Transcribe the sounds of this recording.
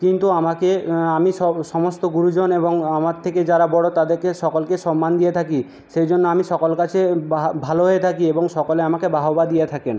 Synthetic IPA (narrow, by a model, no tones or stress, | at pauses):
kint̪uamakeamiʃɔʃɔmost̪oɡuɾud͡ʑoneboŋamaɾt̪ʰeked͡ʑaɾabɔɽot̪ad̪eɾkeʃɔkolkeʃɔmːand̪ijet̪ʰaki | ʃejd͡ʑonːoamiʃɔkolkat͡ɕʰebabʱaloɦojet̪ʰakieboŋʃɔkoleamakebaɦobad̪ijet̪ʰaken